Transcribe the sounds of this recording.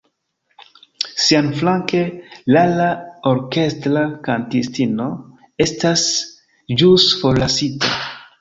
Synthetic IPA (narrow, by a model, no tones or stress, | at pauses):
sianflaŋke̞lalaoɾke̞stɾakantistino̞ | e̞stas | d͡ʒusfolasita̰